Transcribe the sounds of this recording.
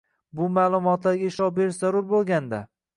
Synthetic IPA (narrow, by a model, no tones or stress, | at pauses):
bʊmaːlˠʊmɒt̪laɾɡʲɪʃɒbeɾɪʃzaɾʊɾbolˠɡʲand̪a